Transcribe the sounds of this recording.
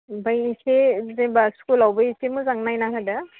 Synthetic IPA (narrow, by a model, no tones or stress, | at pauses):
bajisezebaskulawbaisʰemuzaŋnajnaɦada